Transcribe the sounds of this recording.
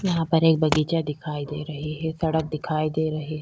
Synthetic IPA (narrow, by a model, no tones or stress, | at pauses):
jɐɦãpɐɾeːk̚bʱɐɡiːt͡ʃad̪ɪkʰaːid̪eːɾɐɦeɦɛsɐɽək̚d̪ɪkʰaːid̪eːɾɐɦeɦɛ